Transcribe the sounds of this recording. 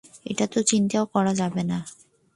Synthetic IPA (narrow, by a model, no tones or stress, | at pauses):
ḛʈat̪ot͡ɕint̪aokɔɾad͡ʑabena